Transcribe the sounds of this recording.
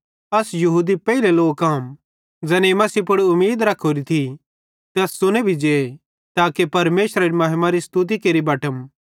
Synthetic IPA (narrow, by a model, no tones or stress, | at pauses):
ɐsjɐɦuːd̪ipɛileloːɡkaːm | d͡ʒɛːneemɐsipʊɽʊmːeːd̪ɾɐkʰoɾit̪ʰi | t̪ɛːsːʊñebʱid͡ʒeː | t̪aːkepɐɾmeːsɾaɾimɐɦɪmaɾist̪ut̪̬ikeːɾibɐʈəm